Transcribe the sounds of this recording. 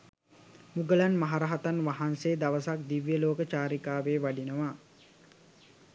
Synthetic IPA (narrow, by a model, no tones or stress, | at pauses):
muɡəlanmaɦaɾaɦat̪anʋaɦanseːd̪aʋəsak̚d̪iʋjəloːkət͡ʃaːɾikaːʋeːʋaɖinəʋa